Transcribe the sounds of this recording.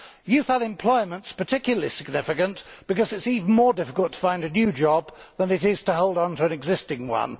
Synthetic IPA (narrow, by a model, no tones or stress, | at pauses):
jʉθəɾɨ̃mpʰl̥ɔɪmə̃ntspə˞tʰɪkjl̩ˠəlisɪɡ̚nɪfɨkɨ̃nb̥ɨkʌzɨtsivn̩mɔɹdɪfɪkəl̩ˠtʰə̥fãɪ̃ndɨnjʉd͡ʒɒbðə̃nɨɾɪz̥tʰəɦoʊlˠd̃n̩təə̃nɨɡzɪstɪ̃ŋwʌ̰̃n